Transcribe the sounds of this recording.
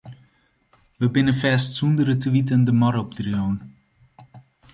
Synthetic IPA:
ʋəbɪnənfɛːstsundəɾətəʋitəndəmɔɾop̚drjoːn

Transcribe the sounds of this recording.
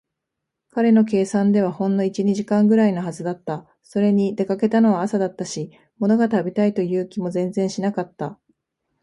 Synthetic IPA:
kaɾe̞no̞k̬e̞ːsãnd̪e̞β̞ahõ̞nːo̞it͡ɕiɲ̟iʑikãŋɡɯ̟ɾaino̞ɦazɨd̪at̪ːa | so̞ɾe̞ɲ̟id̪e̞kake̞t̪ano̞βaːsad̪at̪ːaɕi | mo̞no̞ɡat̪abʲit̪ait̪o̞jɯ̟ːkʲimo̞zẽ̞nd͡zẽɰ̃ɕinakat̪ːa

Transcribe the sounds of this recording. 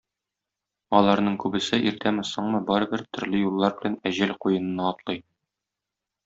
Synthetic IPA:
ɒlˠɑɾnɤɴkʉbɘ̆sɘʔiɾt̪æmɘsɤɴmɤbɒɾɤ̆bɘɾt̪ɵ̆ɾlɘjulˠːɑɾbɘ̆lænæʑælqujɤ̆nɤ̆nɑːt̪lˠɤj

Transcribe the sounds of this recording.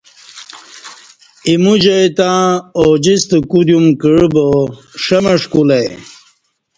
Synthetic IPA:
imud͡ʑɐjt̪ãod͡ʑist̪əkud̪jumkəɻboʂɐmɐʂkule

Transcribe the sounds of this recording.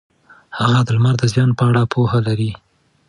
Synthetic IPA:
haɣad̪əlmaɾd̪əzjɑnpəaɽapʰoɦalaɾi

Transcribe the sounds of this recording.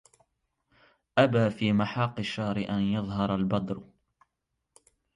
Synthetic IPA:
ʔabaːfiːmaħɑːqːɨʃːɑːɾɪʔanjɑðˤɦɑɾˤalbɑd̪ˤɾ

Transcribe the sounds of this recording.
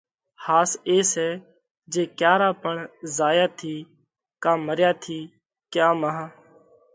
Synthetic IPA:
haːseːsɛː | d͡ʒeːkjaːɾaːpəɳzaːjaːt̪ʰiː | kãːməɾjaːt̪ʰiː | kjaːməɦãː

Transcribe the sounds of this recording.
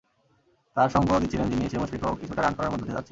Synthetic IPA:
t̪aɾʃɔŋɡood̪it͡ɕʰilend͡ʑinieemoʃbɾikookit͡ɕʰuʈaɾankɔɾaɾmɔd̪ʱod̪ed͡ʑa̰tːɕʰe

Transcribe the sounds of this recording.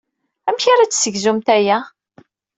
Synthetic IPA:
æmçaɾat͡sːsəʝzumt̪æjæ

